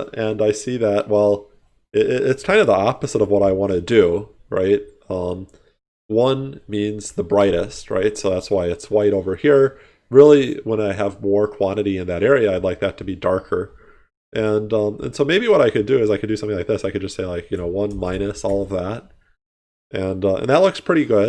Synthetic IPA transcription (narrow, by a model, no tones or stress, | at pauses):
ɨ̃naɪsiðæʔ̚wʔɛlˠ | ɪɪɪtskʰãɪ̃ndʌvðiɑpɨzəɾʌvwʌɾaɪwɑ̃ɾ̃ɨdʉɹa̰ɪt̚ | ʌ̃m | wʌ̃nmĩnzðəbɹaɪɾɨst̚ɹa̰ɪtsoʊðætswaɪɨtswaɪɾoʊvə˞hiɹ | ɹɪlˠiwə̃ñaɪəvmɔɹkʰw̥ɑ̃ɾ̃ɨɾiɨ̃nðɨɾɛɹiɨaɪdˡlaɪk̚ðɨtʰɨbidɑɹkʰə˞ | ʔɨ̃nʌ̃mɨ̰̃nsoʊmeɪbiwʌɾaɪkɨdɨɨzaɪkʰɨdɨsʌ̃mθɪ̃ŋlaɪk̚ðɪsaɪkɨd̚d͡ʒʌstseɪlaɪkjɨñoʊwʌ̃nmãɪ̃ɾ̃nɨsɔlˠʌvðæt̚ | ʔɨ̃nʌə̰̃nðət̚ˡlʊkspʰɹ̥ɪɾiɡʊd̚